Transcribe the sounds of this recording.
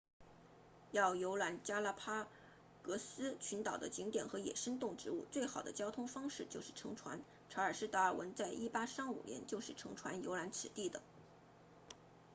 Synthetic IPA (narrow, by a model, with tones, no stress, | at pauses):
jɑ˥˩ʊjo˧˥ʊla˧˥nt͡ɕja˥la˥˩pʰa˥ | kɤ˧˥sɹ̩˥t͡ɕʰy˧˥nt̪ɑ˨˩ʊd̪ə̰˦t͡ɕi˧˥ŋt̪jɛ˨˩nxɤ˧˥jɛ̰˨˩ʂə˥nt̪ʊ˥˩ŋʈ͡ʂɻ̩˧˥u˥˩t͡swe˥˩ɪxɑ˨˩ʊd̪ə̰˦t͡ɕjɑ˥ʊt̪ʰʊ˥ŋfɑ˥ŋʂɻ̩˥˩t͡ɕjo˥˧ʊʂɻ̩˥˩ʈ͡ʂʰɤ˧˥ŋʈ͡ʂʰwa̰˧˥n | ʈ͡ʂʰa˧˥ə˞˨˩ʂɻ̩˥˧t̪a˥ə˞˥˩wʔə˧˥nt͡sa˥˧ɪʔi˥˩pa˥ʂɑ˥˩ŋṵ˨˩ljɛ̰˧˥nt͡ɕjo˥˧ʊʂɻ̩˥˩ʈ͡ʂʰɤ˧˥ŋʈ͡ʂʰwa̰˧˥njo˧˥ʊla˧˥nt͡s̩ʰ˨˩t̪i˥˩d̪ə̰˩